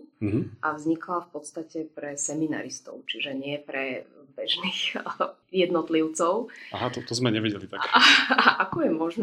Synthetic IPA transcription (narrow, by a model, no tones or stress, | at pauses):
ɦ̩ʔavzɲiklafpɔt̪st̪acɛpɾɛsɛmina̰ɾist̪ɔ̰ʊt͡ʃiʒɛɲɪɛpɾɛbɛʒniːx | jɛd̪nɔt̪liʊt͡sɔʊaɦat̪ɔt̪ɔzmɛɲɛʋiɟɛlit̪akaaʔakɔjɛmɔʒn